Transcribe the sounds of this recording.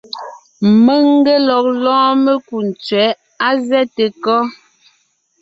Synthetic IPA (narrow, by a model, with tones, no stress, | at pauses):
mə˦ŋ˦ɡe˦lɔ˨k̚lɔ̃ː˦me˦ku˨n˨t͡sɥɛ˨˦ | a˦zɛ˦te˨kɔ˦